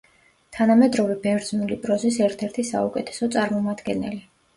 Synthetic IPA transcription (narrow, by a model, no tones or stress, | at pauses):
t̪ʰanamɛd̪ɾɔvɛbɛvɾd̪znulipʼɾɔzisɛɾt̪ʰɛɾt̪ʰisa̰ukʼɛt̪ʰɛ̥sɔt̪sʼaɾmɔmad̪̥ɡɛnɛli